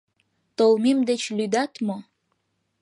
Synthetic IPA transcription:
t̪olˠmimd̪et͡ɕlyd̪ɑt̪mo

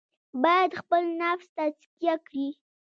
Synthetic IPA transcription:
bɑjad̪xpəlnafst̪azkijakɽi

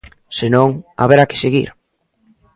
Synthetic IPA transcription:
senõŋa̰βeɾakɪ̥seɣḭɾ

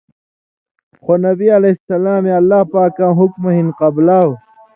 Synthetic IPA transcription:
xonɐbiɐlɐsɐlaːmeɐlːaːpaːkãːɦukmɐɦinqɐblaːw

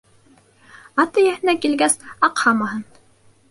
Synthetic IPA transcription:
ɑt̪ɤjæhɘ̆nækilɡæsɑqhɑmɑɦɤn

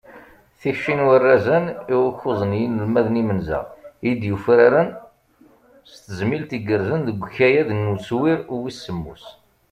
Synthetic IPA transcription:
θiçʃinwərːæzəniwəçozˤənjinəlmæðnimənza̰ʁid̪jufɾaɾən | st̪əzmilt̪iɡəɾzənðəɡʷçæjæðənːut͡swiɾwisːəmːṵs

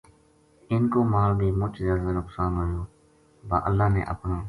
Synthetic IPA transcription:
ɪnkoːmaːlbʱiːmʊt͡ʃzaːzənʊksaːnɦoːjoː | ba̰ːʔəlːaːnḛːʔə̰pnoː

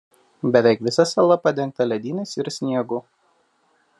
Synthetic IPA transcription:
bʲɛʋʲɛˑɪkʋʲɪsɐsɐlˠɐpɐd̪ʲɛŋk̚t̪ɐlʲɛd̪ʲiːnʲɛsɪɾsʲnʲiɛɡʊ

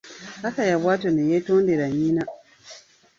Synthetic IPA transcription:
akajabwatɔnijetɔ̃ndeɾaɲĩnã

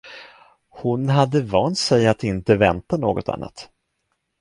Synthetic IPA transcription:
hʊnɦad̪ːəvɑːnt̪sɛjat̪ɪnt̪əvɛnt̪ano̰ːɡɔt̪ʰa̰nːa̰t̪

